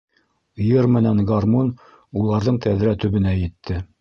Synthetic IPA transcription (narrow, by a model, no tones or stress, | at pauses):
jɤɾmɘ̆næŋɡarmon | ulˠɑɾðɤɴt̪æðɾæt̪ɵ̆βɘ̆næjɘ̆t̪ʰːɘ